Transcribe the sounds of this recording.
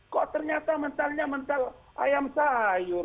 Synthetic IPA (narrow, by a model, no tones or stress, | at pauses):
kɔʔt̪ərɲat̪amənt̪alɲamənt̪alʔa̰jamsajʊ